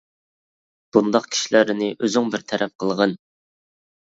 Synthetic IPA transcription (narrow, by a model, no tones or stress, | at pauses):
b̥und̪ɑqkʲʰi̥ʃilæɾɪnɪʔøzyŋbɪɾt̪ʰɛɾɛp̚qʰəlˠʁən